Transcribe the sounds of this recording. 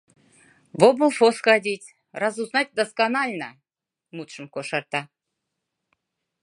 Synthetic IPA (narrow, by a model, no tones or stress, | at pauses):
vobulˠfoskɑd̪ʲit̪ʲ | rɑzuznɑt̪̚ʲd̪ɐskanɑlʲnə | mut̪ʃɨmkoʃɑɾt̪ɑ